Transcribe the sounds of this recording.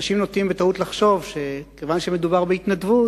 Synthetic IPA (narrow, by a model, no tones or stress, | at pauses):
ʃimnot̪imbet̪aut̪laχʃo̞vʃekevanʃemed̪ubaʁbeit̪nadvut